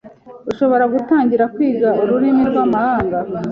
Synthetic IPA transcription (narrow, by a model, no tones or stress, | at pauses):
uʃo̞βo̞ɾaɡutaːɲɟiɾakwiːɡauɾuɾimiɾɡwamahaːŋɡa